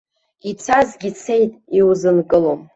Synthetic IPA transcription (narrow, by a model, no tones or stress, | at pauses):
it͡sʰazɡʲit͡sʰe̞jtʼiwzɨnkʼɨlom